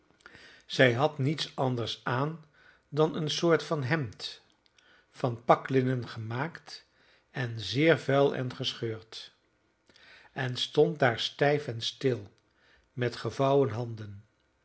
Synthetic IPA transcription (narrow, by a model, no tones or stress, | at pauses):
z̥ɛjɦɑtnitsɑndəɹsaːn | dɑnənsʊːɹtfɑnɦɛmt | fɑnpɑklɪnənχəmaːkt | ɛnzɪːɹvɛlˠɛ̰nχəsχøːɹt | ɛnstɔnt̚daːɹstɛjfɛnstɪlˠ | mɛtχəvɑwənɦɑndən